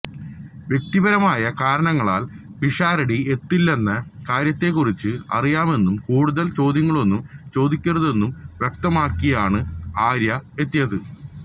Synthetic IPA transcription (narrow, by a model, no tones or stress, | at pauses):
ʋje̞k̚t̪ibɐɾɐmaːjɐkaːɾɐɳɐŋːɐɭa̰ːl | piʂaːɾɐɽie̞t̪ːilːe̞nːɐkaːɾjɐt̪ːe̞kːurit͡ɕːɨɐ̰rijaːme̞nːumkuːɽuðɐlt͡ɕo̞ːd̪jɐŋːɐɭo̞nːumt͡ɕo̞ːd̪ikʲːurɐðe̞nːumʋjek̚t̪ɐmaːkːiɐjaːɳɨaːɾjɐe̞t̪ːijɐðɨ